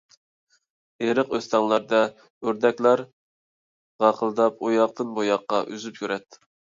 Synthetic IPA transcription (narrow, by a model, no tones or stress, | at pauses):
eɾəqøst̪ɑŋlˠɑɾd̪ɛ | øɾd̪ɛkʲlˠɑɾ | ʁɑqʰəlˠd̪ɑpojɑq̚t̪ɨnbojɑqːɑʔyzypjʰʲøɾɛt̪